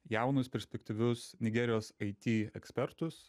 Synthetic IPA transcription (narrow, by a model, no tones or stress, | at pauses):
jæˑʊnʊspʲɛɾʲsʲpʲɛkt̪ʲiʋʲʊsnʲɪɡʲɛɾʲɪjoːsɐɪt̪ʲiːɛksʲpʲɛɾt̪ʊs